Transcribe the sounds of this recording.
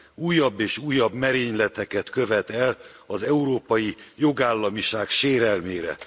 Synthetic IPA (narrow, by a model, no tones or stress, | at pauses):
uːjːɒbːeːʃuːjɒbmɛɾeːɲlɛt̪ɛkɛt̪kø̞vɛt̪ɛlɒzɛuɾoːpɒjijo̞ɡaːlːɒmiʃaːkʃeːɾɛlmeːɾɛ̰